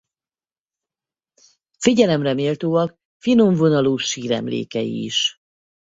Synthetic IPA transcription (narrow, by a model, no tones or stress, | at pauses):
fiɟɛlɛmrɛmeːlt̪oːɒk | finoɱvo̞nɒloːʃiːɾɛ̰mlḛːkɛḭːʃ